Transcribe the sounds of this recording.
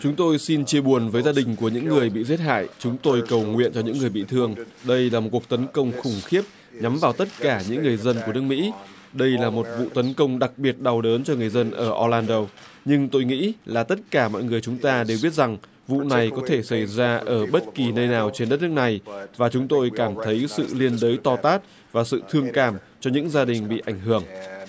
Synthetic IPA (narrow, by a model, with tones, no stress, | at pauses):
t͡ɕʊ˨˦ŋ͡mt̪o˧jsi˧nt͡ɕi˧əɓu˨˩ənvəː˨˦jzaː˧ɗï˨˩ŋ̟ku˧˩əɲɨ̰˧˥ŋːɨ˨˩əjɓḭ˧˨ze˦˥t̚ha̰ː˧˨jt͡ɕʊ˨˦ŋ͡mt̪o˧jkə˨˩wŋwḭ˧˨ənt͡ɕɔ˧ɲɨ̰˧˥ŋːɨ˨˩əjɓḭ˧˨t̪ʰɨ˧əŋ | ɗə˧jlaː˨˩mo˨˩t̚ku˨˩ək̚t̪ə˨˦nkə˧wŋ͡mxʊ˧˩ŋ͡mxi˦˥əp̚ | ɲa˨˦mvaː˨˩wt̪ə˦˥t̚kaː˧˩ɲɨ̰˧˥ŋːɨ˨˩əjzə˧nku˧˩ənɨ˦˥ək̚mḭ˧˥ | ɗə˧jlaː˨˩mo˨˩t̚vṵ˧˨t̪ə˨˦nkə˧wŋ͡mɗa˨˩k̚ɓi˨˩ət̚ɗa˨˩wɗəː˨˦nt͡ɕɔ˧ŋɨ˨˩əjzə˧nʔəː˧˩ʔɔ˧laː˧nɗo˧ | ɲɨ˧ŋt̪o˧jŋḭ˧˥laː˨˩t̪ə˦˥t̚kaː˧˩mɔ̰˧˨jŋɨ˨˩əjt͡ɕʊ˨˦ŋ͡mt̪aː˧ɗe˨˩wɓi˦˥ət̚z̥a˨˩ŋ | vṵ˧˨na˨˩jkɔ˨˦t̪ʰe˧˩sa˧˩jzaː˧ʔəː˧˩ɓə˦˥t̚ki˨˩nəː˧jnaː˨˩wt͡ɕe˧nɗə˦˥t̚nɨ˦˥kna˨˩jvaː˨˩t͡ɕʊ˨˦ŋ͡mt̪o˧jkaː˧˩mt̪ʰə˨˦jsɨ̰˧˨li˧ənɗəː˨˦jt̪ɔ˧t̪aː˦˥t̚ | vaː˨˩sɨ̰˧˨t̪ʰɨ˧əŋkaː˧˩m | t͡ɕɔ˧ɲɨ̰˧˥ŋzaː˧ɗï˨˩ŋ̟ɓḭ˧˨ʔa˧˩jŋ̟ɦɨ˧˩əŋ